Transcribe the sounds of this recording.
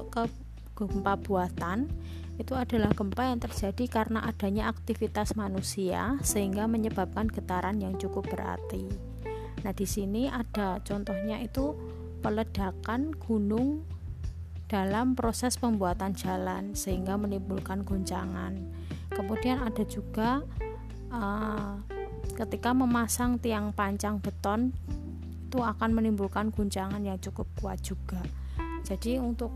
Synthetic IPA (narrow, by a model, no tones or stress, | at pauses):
kə | ɡ̥mpab̥uat̪an | it̪uada̤lahɡ̥əmpajaŋt̪ərd͡ʒadikaɾənaʔad̥a̤ɲaak̚t̪ifit̪asmanusia̰səɦiŋɡaməɲəba̤p̚kanɡ̥ət̪aɾanjaŋt͡ʃukʊp̚b̥əɾa̰rt̪i | nahd̥isiniʔad̥at͡ʃɔnt̪ɔhɲait̪u | pələd̥a̤kanɡ̥unʊŋ | d̥alampɾosɛspəmbuat̪and͡ʒa̤lansəɦiŋɡamənimbulkanɡ̥uɲt͡ʃa̰ŋa̰n | kəmud̥i̤anada̤d͡ʒuɡ̥a | ə | kət̪ikaməmasaŋt̪iaŋpaɲt͡ʃaŋb̥ə̤t̪ɔn | it̪uakanmənimbulkanɡ̥uɲt͡ʃaŋanjaŋt͡ʃukʊp̚kua̰t̪̚ʒ̥uɡ̥a | d͡ʒ̥ad̥iunt̪ʊk̚